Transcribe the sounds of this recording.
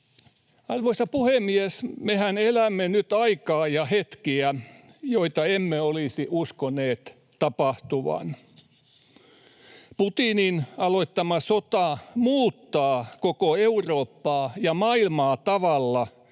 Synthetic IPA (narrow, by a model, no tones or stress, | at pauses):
ɑrʋoist̪ɑpuhemːiesmehænelæmːenyt̪ɑikɑːjɑhet̪kiæ | joit̪ɑemːeolisiʔuskoneːt̪ | t̪ɑpɑht̪uʋɑ̰n | put̪ininɑloit̪ːɑmɑsot̪ɑmuːt̪ːɑːkokoeuroːpːɑːjɑmɑilmɑːt̪ɑʋɑlːɑ